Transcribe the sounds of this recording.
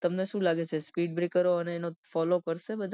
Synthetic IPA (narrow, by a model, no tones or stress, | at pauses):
t̪əmneʃũlaɡet͡ʃʰespiɖbɾekəɾoəneːnofɔlokəɾʃebəd̪ʱa